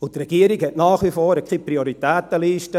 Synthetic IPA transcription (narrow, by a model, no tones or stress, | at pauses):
ʊt̪rɛɡ̥iːəɾiɡhɛtnaːχʋifɔːɾəkʰχipɾioɾit̪ɛːt̪əliːʃtə